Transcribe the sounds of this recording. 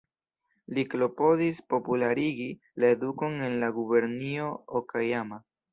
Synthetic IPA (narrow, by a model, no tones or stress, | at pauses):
liklo̞po̞dispo̞pulaɾiɡi | lae̞duko̞ne̞nlaɡube̞ɾnio̞okʰajama